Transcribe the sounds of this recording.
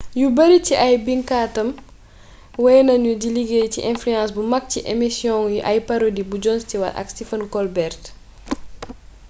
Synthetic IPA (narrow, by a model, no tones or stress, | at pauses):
jubɐɾiciʔɐjbiŋkaːtɐm | wɐjnɐɲudiliɡeciʔɛ̃nfliãnsbumɐk̚ciʔemisjɔ̃ŋjuʔɐjpaɾodibud͡ʒɔnstiwɐ̰lʔɐ̰kstifɐnkɔlbɛrt